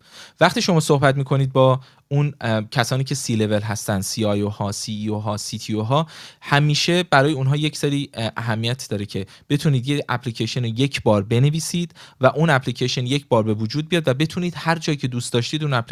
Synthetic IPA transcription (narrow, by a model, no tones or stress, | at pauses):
væχt̪iːʃo̞mɒːsohbæt̪miːkʰo̞niːd̪̚bɒː | uncʰæsɒːniːcʰe̞siːle̞ve̞lɦæst̪ænd̪̥siːɒjohɒːsiːoɦɒːsit̪ʰioɦɒːhæmiːʃe̞bæɾɒːjeuːnɦɒːje̞cʰseɾiːʔæɦæmːijæt̪ʰd̪ɒːɾecʰe̞ | b̥e̞t̪ʰuniːd̪jecæpʰliːcʰeʃenoje̞cʰbɒːɾbe̞neviːsiːd̪̥væʔunæpʰlicʰeʃenje̞cʰbɒːɾbe̞vod͡ʒuːd̪̚bijɒːd̪væbe̞t̪ʰuːniːd̪hæɾd͡ʒɒːjicʰe̞d̪uːst̪d̪ɒːʃt̪iːd̪uːnæpʰli